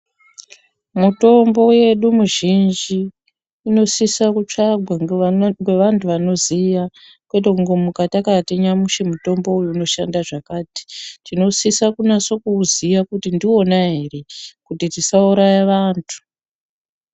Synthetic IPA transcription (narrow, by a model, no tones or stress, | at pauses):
muto̞mbo̞je̞ɗumuʒind͡ʒiː | no̞sisakut͡ʂaɡʱwaŋɡe̞ʋantʰuʋano̞zija | kwe̞tokuŋɡemukatakateɲamuʃemuto̞mbo̞ujuːno̞ʃandaʐakaːti̥tino̞sisakunaso̞kuːzijakutindio̞naɦere̞kutitisauɾajeʋaːntʰu̥